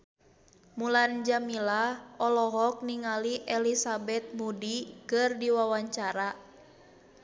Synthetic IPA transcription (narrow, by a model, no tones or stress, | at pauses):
muland͡ʒamilaɔlɔɦɔk̚niŋaliʔɛlisabɛt̪̚mudikɨrdiwawaɲt͡ʃaɾa